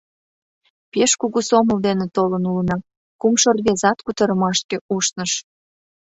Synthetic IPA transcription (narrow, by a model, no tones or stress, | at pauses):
peʃkuɣusoməld̪enĕt̪olənulənɑ | kumʃorɣezɑt̪kut̪əɾəmɑʃkeuʃnəʃ